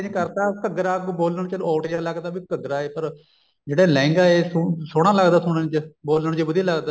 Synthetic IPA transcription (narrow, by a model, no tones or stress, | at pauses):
d͡ʒkəɾt̪aːkəɡɾaːkːboːlnəɳt͡ʃəlɔːʈjaːləɡd̪aːbiːkəɡɾaːeːpəɾ | d͡ʒeːɽaːlɛ̃ːŋɡaːeːssʊɽ̃ãːləɡd̪aːsʊɳənt͡ʃəboːlnəɳt͡ʃebʊd̪iːləɡd̪aː